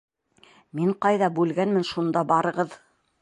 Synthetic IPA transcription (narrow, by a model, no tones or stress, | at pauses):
miɴqɑjðɑbʉlɡænmɘnʃund̪ɑbɑɾɤ̆ʁɤð